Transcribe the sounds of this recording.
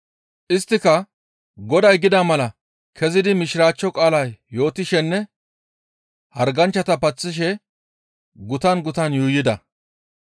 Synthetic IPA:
ʔɪst̪ːɪkɐ | ɡɔd̪ɐjɡɪd̪amɐlɐ | kʰɛzɪd̪ɪmɪʃɪɾaːt͡ʃːɔkʼaːlɐjːo̞ːt̪ɪʃɛnːɛ | hɐɾɡɐnt͡ʃːɐt̪ɐpɐt͡sːɪʃ̬ɛ | ɡʊt̪ɐnɡʊt̪ɐnjuːjːɪd̪ɐ

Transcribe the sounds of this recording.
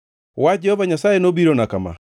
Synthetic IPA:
wad͡ʒɛhɔvaɲasaːjenobiɾonakama̰

